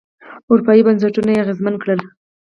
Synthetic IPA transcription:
ʊɾupɑibans̬aʈunajeaɣezmankɽəl

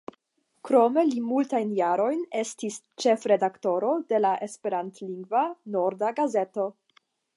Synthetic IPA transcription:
kɾo̞me̞limultajnjaɾo̞jne̞stist͡ʃe̞fɾe̞dakto̞ɾo̞de̞laʔe̞spe̞ɾantliŋɡvano̞ɾdaɡaze̞to̞

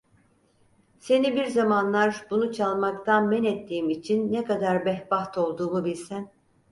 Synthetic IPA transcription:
se̞nibiɾzamanlˠaɾbunut͡ʃʰalˠmakt̪ʰanmɛnɛt̪ʰːiːimit͡ʃʰinːɛkad̪aɾbɛhbaht̪ʰo̞lˠd̪uːmubilʲsæn

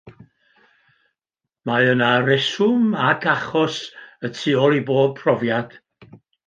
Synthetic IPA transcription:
maənaɾɛsʊmakʰaχɔsətʰɪɔlˠiboːb̚pʰrɔvjad̥

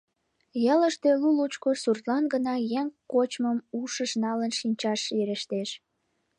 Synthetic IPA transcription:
jɑləʃt̪e̽lulut͡ɕkosurt̪lɑnɡənɑjeŋkot͡ɕməmuʃəʃnɑlənʃinʲt͡ɕɑʃeɾəʃt̪eʃ

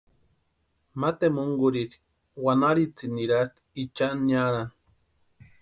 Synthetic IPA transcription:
mat̪emuŋɡuɾiɾi̥ | wanaɾit͡siniɾast̪i̥it͡ʃanaɾan

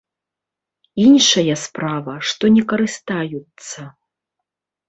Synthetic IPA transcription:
inʂɐjɐspɾavɐʂt̪ɔnʲɛkɐɾɨst̪ajut̪sːɐ

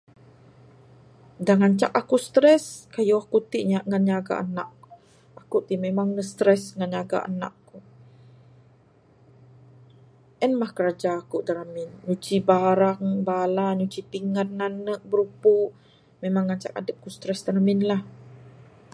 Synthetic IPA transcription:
daŋaɲt͡ʃa̰kakust̪ɾɛskajuakut̪iʔɲaʔŋanɲaɡa̰ʔa̰na̰ʔkuu | akuʔt̪imemaŋnəst̪ɾɛsŋanɲaɡa̰ʔa̰na̰ʔku | ʔɛnmahkəɾad͡ʒaːkuʔdəɾamɪnɲut͡ʃibaɾaŋbalaɲut͡ʃipiŋan̚nannːəʔ̚bəɾupuʔ | memaŋːaɲt͡ʃa̰ka̰dəp̚kust̪ɾɛsd̪əɾamɪnlah

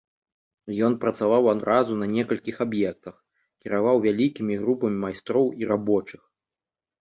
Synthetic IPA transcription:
jɔnpɾɐt̪savawad̪ɾazunɐnʲɛkɐlʲkʲixabjɛk̚t̪ɐx | kʲiɾavawvʲalʲikʲimʲiɣɾupɐmʲimajst̪ɾɔwiɾabɔt͡ʂɨx

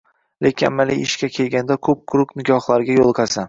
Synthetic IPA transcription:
lekʲɪa̰mːalijɪʃkʲakʲʰe̞lɡʲand̪akʰɵp̚kʰʊɾʊknɪɡʲɒhlˠaɾɡʲajolˠqʰɑsa

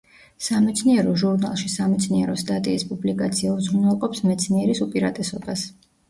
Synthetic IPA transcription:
samɛt̪sʰniɛɾɔʒuɾnalˠʃisamɛt̪sʰniɛɾɔst̪ʼat̪ʼiːspʼublikʼat̪sʰiauzɾunɛlˠqʼɔpsmɛt̪sʰniɛɾisupʼiɾat̪ʼɛsɔbas

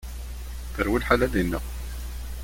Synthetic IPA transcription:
θəɾwilħalælinːə̰ʁ

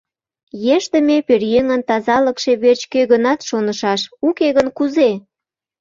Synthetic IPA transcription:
jeʃt̪əmeperjøŋənt̪ɑzɑləkʃe̽βert͡ɕkøɣənɑt̪ʃonəʃɑʃukeɣənkuze

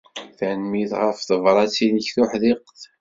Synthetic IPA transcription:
θənmiðʁəfθəvɾˤɑt͡sːiləçθʊħðiqːθ

